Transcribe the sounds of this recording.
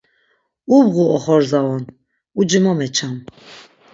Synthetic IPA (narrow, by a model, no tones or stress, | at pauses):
ubɣuʔɔχɔɾzaɔn | ud͡ʒimɔmɛt͡ʃʰam